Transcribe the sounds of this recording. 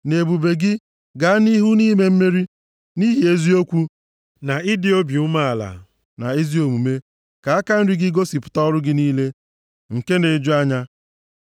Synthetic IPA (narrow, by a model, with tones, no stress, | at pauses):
ne˨bu˨be˨ɡɪ˦ | ɡa˨a˦ni˦ɦu˦niː˦me˦m̩˦me˦ɾi˦ | ni˦ɦi˨e˦zi˦o˦kʷu˦ | na˨ɪ˦dɪ˨o˦bi˨u˦ma˦a˨la̰˨ | na˨e˦zi˦o˨mu˨me˦ | ka˨a˦ka˦n̩˦ɾɪ˦ɡɪ˦ɡo˦si˨pʊ̥˨˦tɔ˦ɔ˦ɾʊ˦ɡɪ˦niː˦le˦ | ŋ̩˨ke˦ne˨d͡ʒʊ˦a˦ɲa˦